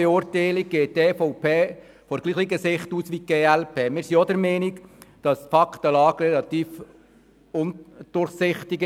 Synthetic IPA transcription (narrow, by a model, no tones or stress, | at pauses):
ɛʊɾtɛɪlɪk̚ɡ̥eːt̚teːfɔʊpʰeː | fɔɾɡ̥liːχiɡəsɪχtuːsʋiɡ̥eːælpʰeːmɪːɾsiɔd̪əɾmɛːnikd̥ɑstfɑkt̪əlɑːɡrɛlɑt̪iːf | ʊnd̥ʊrχsɪχt̪ɪɡ